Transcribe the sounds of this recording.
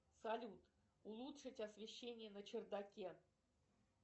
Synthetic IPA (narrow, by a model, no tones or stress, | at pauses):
sɐlʲut̪ | ulˠut̪ʂɨtʲasvʲɪɕːenʲɪjənət͡ɕɪrd̪akʲe